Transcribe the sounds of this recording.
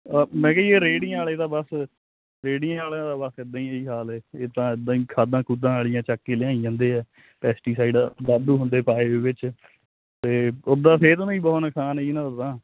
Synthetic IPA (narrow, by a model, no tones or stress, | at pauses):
mɛ̃ːkɛːɦieːɾeːɽɪj̃aːlẽːd̪aːbəs | ɾeːɽijãːaːl̃ːd̪aːbəsɪd̪ãːĩːeiːɦaːlɛːeːt̪ãːɪd̪ãːĩːkʰaːd̪ãːkuːd̪ãːaːɭijãːt͡ʃakːeːlɪãːiãːnd̪eːɛː | pɛːsʈiːsaːiɖd̪aːd̪uːɦʊ̃nd̪eːpaːeːeːʋɪt͡ʃ | t̪eːʊd̪aːsʰeːt̪ːnĩːbɔːnəkʰaːneiːnãət̪ãː